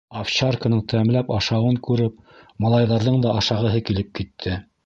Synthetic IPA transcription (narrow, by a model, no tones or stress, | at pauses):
afɕarkə̆nɤɴt̪ʰææmlæpɑʃɑwɤŋkʉɾɘp̚ | mɑlˠɑjðɑɾðɤɴd̪ɑʔɑʃɑʁɤ̆ɦɤkilɘp̚kit̪ʰːɘ